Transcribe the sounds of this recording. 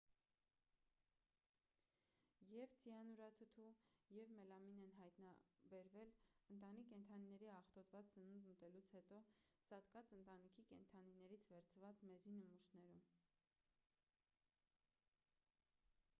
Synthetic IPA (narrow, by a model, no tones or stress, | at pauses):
jɛvt͡sʰijɑnuɾɑt̪ʰət̪ʰujɛvmɛlɑminɛnɦɑjt̪nɑbɛɾvɛlənt̪ɑnikːɛnt̪ʰɑninɛɾiɑχt̪ɔt̪vɑt͡st͡sənund̪mət̪ɛlut͡sʰhɛt̪ɔsɑt̪kɑt͡sənt̪ɑnikʰikɛnt̪ʰɑninɛɾit͡sʰvɛɾt͡sʰvɑt͡smɛzinəmuʃnɛɾum